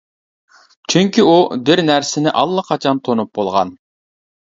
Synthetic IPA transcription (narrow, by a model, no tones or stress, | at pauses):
t͡ʃʰyŋkʲiub̪ɪɾnæɾsɪnɪʔɑlˠːɑqʰɑt͡ʃʰɑnt̪ʰonup̚bolˠʁɑ̰n